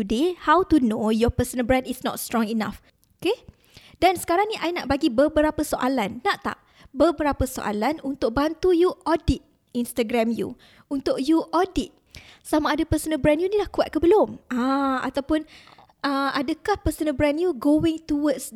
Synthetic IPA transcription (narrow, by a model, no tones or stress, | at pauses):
udehawt̪unojɔpəsənbɾɛ̃ndisnɔ̰t̚st̪ɾɔ̃ŋina̰f | oke | dansə̥kaɾaŋnĩʔainaʔbaɡibəbəɾapəsoʔalanːaʔt̪a̰ʔ | bəbəɾapəso̰ʔa̰lanunt̪ʊk̚bant̪ujuʔɔdit̪̚ | inst̪aɡɾamjṵ | unt̪ʊkjuʔɔdit̪̚samaːdəpəsənəbɾɛnjunĩlahkua̰t̪̚kəbəlʊmãa̰t̪awpʊn | ʔəadəkahpəsənəbɾɛnjuɡoɪ̃ŋt̪uwəts